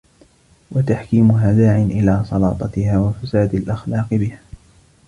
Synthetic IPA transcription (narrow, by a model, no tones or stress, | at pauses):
wat̪aħkiːmʊɦad̪aːʕɪnʔɪlaːsˤɑlɑ̰ːt̪ˤɑt̪ɪhaːwafasaːd̪alʔaxlɑːqɨbɪhaː